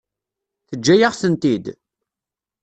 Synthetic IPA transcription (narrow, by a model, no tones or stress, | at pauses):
θəd͡ʒːæjəʁθənt̪id̪